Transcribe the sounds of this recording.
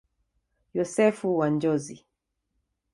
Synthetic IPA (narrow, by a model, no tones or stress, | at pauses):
jɔsɛfuwand͡ʒɔzi